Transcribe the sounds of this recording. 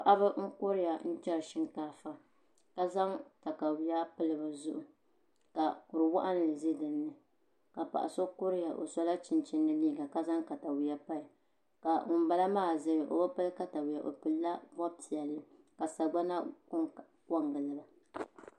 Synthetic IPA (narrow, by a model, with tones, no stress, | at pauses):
a˨ʔa˦bɨ˦ŋ̩˦kʊ˦ɾɪ˦ja˨n̩˦t͡ʃɛ˦ɾʃɪ˦ŋkaː˦fa˦ | ka˦za˦ŋta˨ka˨wi˨˦ja˦pɨ˦lɨ˦bɨ˨zʊ˦ʔʊ˨ | ka˨kʊ˨ɾɨ˨wa̰˦ʔa˦n˨lɨ˨zɨ˦dɨ˨nːɨ˨ | ka˨pa̰˨ʔa̰˨so˦kʊ˦ɾɪ˦ja˨ʔo̰˨sa˦la˦t͡ʃɪ˨nt͡ʃɪ˦nːɨ˦liː˦ɡa˨ka˦za˦ŋka˨ta˨wi˨ja˦pa˦i˨ | ka˨ŋʊ˨m˦ba˦la˦maː˦˨zɨ˦ɾɨ˨ʔo̰˨ba˦pɨ˦lɨ˦ka˦ta˨wi˨ja˨ʔo̰˨pɨ˨lːa˦bɔ˦bti˨ɛ˨lɨ˦ | ka˨sa˨ɡ͡ba˦na˦kʊ˦ŋ | kɔ˦ŋɡɨ˨lɨ˨ba˦